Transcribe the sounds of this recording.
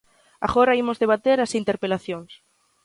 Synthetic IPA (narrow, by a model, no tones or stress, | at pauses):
a̰ɣoɾɐimʊzðeβat̪eɾɐsint̪eɾpelaθjoŋs